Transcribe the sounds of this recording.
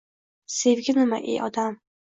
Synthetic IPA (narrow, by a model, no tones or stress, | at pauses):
se̞vɡʲɪnɪma̰ʔḛʔɒd̪am